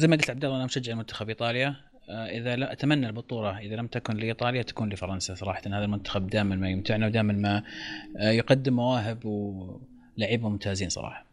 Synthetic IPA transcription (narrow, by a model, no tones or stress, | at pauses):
zajmaɡɪlt̪ʕabd̪ɑlːˤʔanamʃad͡ʒːaʕalmʊnt̪ḁxabʔiːt̪ˤɑːlja | ʔɪðalaʔat̪amanːalbʊt̪ˤuːɾˤɑʔɪðalamt̪akʊnlɪʔiːt̪ˤɑːlɪjat̪ḁkuːnlifɑɾˤɑnsasˤɑɾˤɑːħɑt̪nhaːðalmʊnt̪ḁxab̚d̪aːmɪnmajʊmt̪ɪʕnawd̪aːmɪnma | jqɑd̪ːɪmːawaːɦɪbw | laʕɪbʊmʊmt̪ʰaːziːnsˤɑ̰ɾˤɑ̰ːħɑ̥